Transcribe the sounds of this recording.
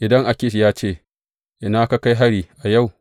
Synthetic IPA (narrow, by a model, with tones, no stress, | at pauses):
ʔɪ˨dɐ˦ŋʔa˨kʲɪ˦ʃjaː˦t͡ʃeː˦˨ | ʔɪ˨naː˦ka˦ka˦jɦa˦ɽiː˨ʔa˨ja˦˨w